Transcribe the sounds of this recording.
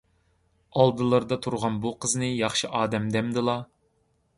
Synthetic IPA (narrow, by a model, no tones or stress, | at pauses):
ɑlˠd̪ɨlˠɨɾd̪ɑt̪ʰuɾʁɑnbuqʰəznɨjɑχʃɨʔɑːd̪ɛmd̪ɛmd̪ɨlˠɑ